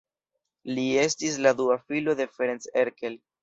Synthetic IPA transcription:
lie̞stis̬lad̪uafilo̞d̪e̞feɾenseɾkel

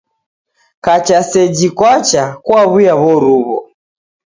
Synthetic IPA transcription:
kat͡ʃasɛd͡ʒikwat͡ʃakwaβujaβɔɾuβɔ̰

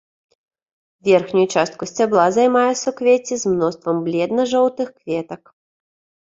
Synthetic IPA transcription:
vʲɛrxnʲujut͡ʂast̪̚kusʲt͡sʲablˠazajmajɛsɐukvʲet͡sʲizmnɔst̪vɐmblʲɛd̪nɐʐɔwt̪ɨxkvʲɛt̪ɐk

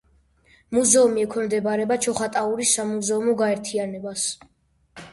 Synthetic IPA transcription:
muzɛumiɛkʰwɛmd̪ɛbaɾɛbat͡ʃʰɔχat̪ʼauɾisːamuzɛumɔɡaɛɾt̪ʰianɛbas

